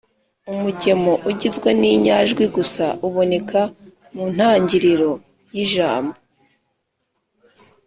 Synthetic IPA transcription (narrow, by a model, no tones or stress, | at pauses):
umuɟe̞mo̞ʔuɟizɡweniɲaʒɡwiɡusaʔuβo̞ne̞kʰa | mun̥haːɲɟiɾiɾo̞ | jiʒa̰ːmbo